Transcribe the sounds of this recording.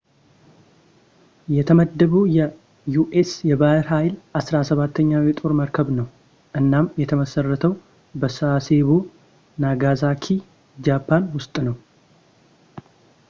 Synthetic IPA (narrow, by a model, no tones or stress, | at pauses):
jɛt̪ʰəməd̪ːəβujɛ | juʔesjɛbaɾɦajlʔasɾasəβat̪ʰːəɲːawjɛt̪ʼoɾməɾkʰəβnəw | ʔɨnːamjɛt̪ʰəməsərːət̪ʰəw | bəsase̞βu | naɡazakʰi | d͡ʒapʰːanwʊst̪ʼnəw